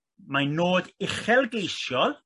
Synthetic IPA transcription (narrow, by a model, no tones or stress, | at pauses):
manoːdɪχɛlˠɡejsjɔlˠ